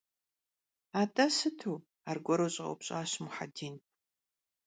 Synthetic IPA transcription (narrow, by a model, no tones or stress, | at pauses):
aːtʼɐsɨtʰuː | aːrɡʷɔɾowɕʼɪo̰pɕʼaːɕmʊħa̰diːn